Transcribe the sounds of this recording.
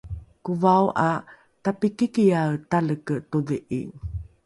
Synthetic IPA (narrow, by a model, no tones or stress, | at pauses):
kuvawʔa | tapikikijawtaləkətodəʔḭ